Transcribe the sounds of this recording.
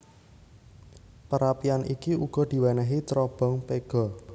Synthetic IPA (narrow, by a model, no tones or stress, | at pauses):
pəɾapianʔikiuɡ̥ɔ̤d̪̥i̤wɛnɛɦit̪ɾɔb̥ɔ̤ŋpeɡ̥ɔ̤